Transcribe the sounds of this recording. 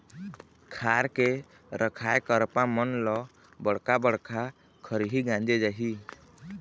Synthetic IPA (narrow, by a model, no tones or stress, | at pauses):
kʰaɾke | ɾʔəkʰajkəɾpamɔnlɔ | bɔɽkabəɽkʰa | kʰəɾɦiɡãd͡ʒɛd͡ʒaɦi